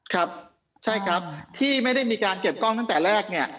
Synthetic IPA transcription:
kʰɾa˦˥p̚ | t͡ɕʰa˥˩jkʰɾa˦˥p̚t̪ʰiː˥˩ma˥˩jda˥˩jmiː˧kaː˧nke˨˩p̚kɔ˥˩ŋt̪a˥˩ŋt̪ɛː˨˩ɾɛː˥˩k̚ni˥˩ɐ

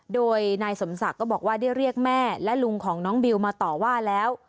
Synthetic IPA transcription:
doː˧jnaː˧jso˩˦msa˨˩kːɔː˥˩bɔː˨˩kwaː˥˩da˥˩jɾi˥˩ək̚mɛː˥˩lɛ˦˥lu˧ŋkʰɔː˩˦ŋnɔː˦˥ŋbi˧wmaː˧t̪ɔː˨˩waː˥˩lɛː˦˥w

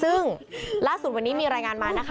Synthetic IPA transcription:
sɯ˥˩ŋlaː˥˩su˨˩t̪̚wa˧nːiː˦˥miː˧ɾaː˧jŋaː˧nmaː˧˩na˦˥kʰ

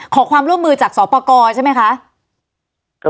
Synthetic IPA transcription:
kʰɔː˩˦kʰwaː˧mɾu˥˩əmːɯː˧t͡ɕaː˨˩k̚sɔː˩˦pɔː˧kɔː˧t͡ɕʰa˥˩ma˦˥jkʰa˦˥ʔ

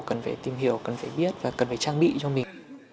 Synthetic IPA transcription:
kə˨˩nfa̰˧˩jt̪i˨˩mhi˧˩˦əwkə˨˩nfaː˧˩˦ɓi˦˥ət̚vaː˨˩kə˨˩nfaː˨˧˦t͡ɕaː˧ŋɓḭ˧˨t͡ɕɔ˧mï˨˩ŋ

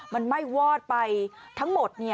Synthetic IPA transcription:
ma˧nma˥˩jwɔː˥˩t̪̚pa˧jt̪ʰa˦˥ŋmo˨˩t̪̚ni˥˩

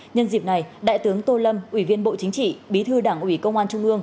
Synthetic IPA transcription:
ɲə˧nzi˨˩p̚na˨˩jɗa̰ː˧˨jt̪ɨ˨˦əŋt̪o˧lə˧mʔwi˧˩vi˧ənɓo̰˧˨t͡ɕï˨˦ŋ̟t͡ɕḭ˧˨ɓi˨˦t̪ʰɨ˧ɗaː˧˩ŋʔwi˧˩kə˧wŋ͡mʔaː˧nt͡ɕʊ˧ŋ͡mʔɨ˧əŋ

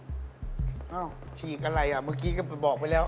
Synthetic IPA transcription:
ʔaː˧˩wt͡ɕʰiː˨˩k̚ʔa˧ɾa˧jʔa˨˩maː˦˧˥kiː˦˥kaː˥˩pa˧jbɔː˨˩k̚pa˧jlɛː˦˥

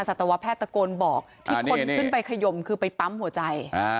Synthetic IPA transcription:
a˧sa˨˩t̪ːa˧wa˦˥pʰːɛː˥˩t̪ːa˧koː˧nbɔː˨˩k̚t̪ʰːnkio˧˥niɯ˥˩npa˧jkʰa˧jo˧mkʰɯː˧pa˧jpa˦˥mhu˩˦ɐt͡ɕa˧j

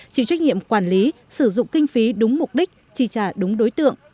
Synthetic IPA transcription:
t͡ɕḭ˧˨t͡ɕwa˥jŋ̟ŋḭ˧˨əmkwaː˧˩nli˨˦ | sɨ˧˩zʊ̰˧˨ŋ͡mkï˧ŋ̟fi˨˦ɗʊ˨˦ŋ͡mmʊ˨˩k͡p̚ɗi˦˥k̟̚t͡ɕi˧˩t͡ɕaː˧˩ɗʊ˨˦ŋ͡mɗo˨˦jt̪ɨ̰˧˨əŋ

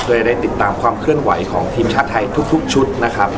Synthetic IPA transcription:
do˥˩da˥˩jt̪i˨˩t̪ːaː˧mkʰwaː˧mkʰɾɯ˥˩ənwa˩˦jkʰɔː˩˦ŋt̪ʰiː˧mt͡ɕʰaː˦˥t̪ʰːa˧jt̪ʰu˦˥k̚t̪ʰu˦˥k̚t͡ɕʰu˦˥t̪̚na˦˥kʰɾa˦˥p̚

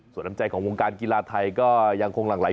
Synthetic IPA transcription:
su˨˩˦ntʰa˧˦t͡ɕa˧jkʰɔː˩˦ŋwoː˧ŋkaː˧nkiː˧laː˧t̪ʰa˧jkɔː˥˩ja˧ŋkʰo˧ŋlaː˨˩ŋlaː˨˦

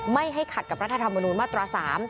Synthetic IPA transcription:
ma˥˩jɦa˥˩jkʰa˨˩ka˨˩p̚ɾa˦˥t̪ʰa˧t̪ʰmːa˧nuː˧nmaː˥˩t̪ɾaː˧saː˩˦m

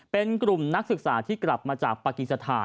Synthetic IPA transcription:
pe˧nkɾu˨˩mna˦˥k̚sɯ˨˩k̚saː˩˦t̪ʰiː˥˩kla˨˩p̚maː˧t͡ɕaː˨˩k̚paː˧ki˨˩t̪̚sa˧t̪ʰaː˧

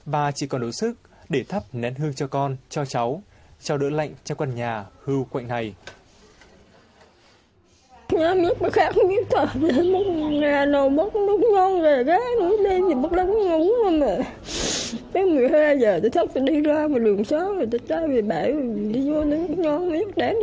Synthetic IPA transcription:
ɓaː˨˩t͡ɕi˧˩kɔ˨˩nɗo˨˦sɨ˦˥k̚ | ɗe˧˩t̪ʰə˦˥p̚nɛ˨˦nhɨ˧əŋt͡ɕɔ˧kɔ˧nt͡ɕɔ˧t͡ɕa˨˦wt͡ɕa˧wɗə̰ː˧˥la̰˧˨jŋ̟t͡ɕɔ˧kwa˧˩nɲaː˨˩hɨ˧wkwa̰˧˨jŋna˨˩j | ɲɔ˧m˨ɲə˦˥k̚laː˨˩xaː˦˥k̚i˧˥k̚t̪aː˨˩ve˨˩˨mo˨˦˥ŋaː˨˩nə˨˩wmo˨˦˥t̚nu˦˥k͡p̚ɲɔ˧nzeː˨˩kaː˨˦nu˧˦ɗə˧jvi˨˩mə˦˥t̚lə˨˦n˦ŋə˨wə˧˩ma˨˩ | t̪a˨˦˥mɨ˨˩əjhaː˧jzəː˨˩t̪a˨˧˦t̪ʰə˦˥p̚t̪a˧˩ɗi˧zaː˧ma˨˩ɗɨ˨˩əŋsɔ˨˦zo˨˩t̪a˧˦t͡ɕaː˧˦ve˨˩ɓaː˧˩jɗi˧ɲu˧ət̪ɔ˨˦nu˦˥k̚ɲɔ˧nma˨˦ɲə˦˥k̚ɗɛ˨˦n

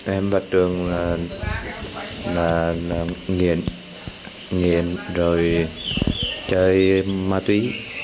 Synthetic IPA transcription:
ʔɛ˧mɓa˨˩t̚ɗɨ˨˩əŋlaː˨˩ | laː˨˩laː˨˩ŋi˨˩ən | ŋi˨˩ənzo˨˩j | t͡ɕəː˧˦jmaː˧t̪wi˨˦

